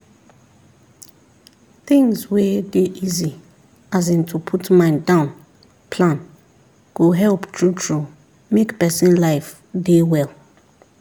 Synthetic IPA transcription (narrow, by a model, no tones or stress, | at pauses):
θɪ̃ŋzwedeʔizi | azɪ̃ntʰupʰutmãɪ̃ndãʊ̃n | pʰlãn | ɡ̥oɦɛlptʰɹutʰɹu | mekpɛsĩnlaɪf | dewɛl